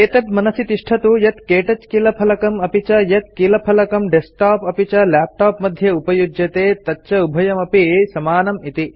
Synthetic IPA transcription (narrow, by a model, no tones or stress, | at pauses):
eːt̪ɐt̪mɐnɐsit̪iʂʈʰɐt̪ujɐt̪keːʈɐt͡ʃkiːlɐpʰɐlɐkɐmɐpit͡ʃɐjɐt̪̚kiːlɐpʰɐlɐkɐmɖesʈaːpɐpit͡ʃɐlaːp̚ʈaːpmɐd̪ʱjɐupɐjud͡ʒjɐt̪eːt̪ɐt͡ʃɐubʱɐjɐmɐpisɐmaːnɐmit̪i